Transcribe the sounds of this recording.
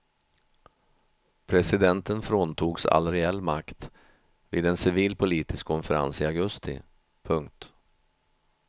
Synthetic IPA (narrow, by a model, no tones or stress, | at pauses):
pʰɾɛsɪd̪ɛnt̪ənfɾoːnt̪ʰuːɡsa̰lːɾɛɛlːmakt̪ | viːd̪ɛnsɪviːlpʰʊliːt̪ɪskʰːɔnfɛɾa̰nsɪaɡɵst̪ɪ̰ | pʰɵŋkt̪